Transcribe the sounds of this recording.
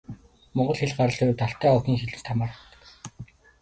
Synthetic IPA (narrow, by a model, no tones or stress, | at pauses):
mɔɴɢɞ̆ɮxeɮɢaɾə̆ɮʊjrt̪ʰaɬt̪æːɔxʲiːŋxeɮɘ̆t͡ɕt̪ʰamaːrə̆χt̪ə̥̆k